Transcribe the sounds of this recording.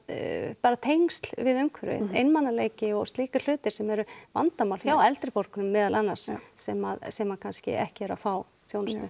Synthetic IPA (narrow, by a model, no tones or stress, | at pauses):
paːɾat̪ʰejŋst̪lvɪðʏmkʰvɛɾɪ̰ðejnmanːaleːjcɪɔɣst̪iːkʏ̥l̥ʏːt̪ɪɾ̥sɛmɛɾʏva̰nt̪amawlfjawɛlt̪ɾɪpɔɾ̥kʏnʏmːɛːðalanːaɾ̥ssɛmaðsɛmakʰanscɪ̰ʔɛ̰hcɪɛɾa̰faːw | t̪ʰjownstt̪ʏ